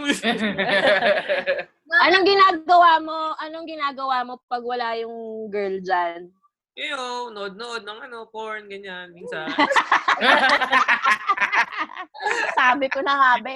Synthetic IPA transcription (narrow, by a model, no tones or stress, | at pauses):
ʔɐnoŋɡɪnaːɡɐwaːmo̞ʔɐnoŋɡɪnaːɡɐwaːmo̞pɐɡ̚wɐlajʊŋɡɛɹld͡ʒan | ʔjonɐʔod̪̚noʔod̪̚nɐŋʔɐnopoɹnɡɐɲanmiːnsa | saːbɪkʊnɐŋaːbɛ